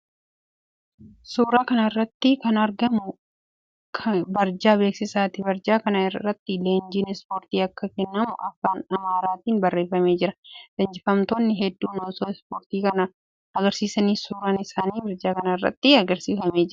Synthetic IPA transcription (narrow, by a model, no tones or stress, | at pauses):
suːɾaːkɐnɐrːɐt̪ːɪkɐnɐɾɡɐmʊ | kʰbɐɾd͡ʒaːbe̞ːksɪsaːt̪ɪbɐɾd͡ʒaːkɐnɐːɐt̪ːɪle̞ːnd͡ʒiːnɛspoːɾt̪iːɐkːɐkɛnːɐmʊʔɐfːaːnɐmaːɾaːt̪iːnbɐrːe̞ːfːɐme̞ːd͡ʒɪɾɐd̪̥ɐnd͡ʒɪfɐmt̪oːnːɪɦɛd̪ːuːnoːsoːɪspoːɾt̪iːkɐnɐ | ɐɡɐɾsiːsɐniːsuːɾaːnɪsaːniːbɐɾd͡ʒaːkɐnɐɪrːɐ̰t̪ːɪɐɡɐɾsiːfɐmeːd͡ʒɪɾɐ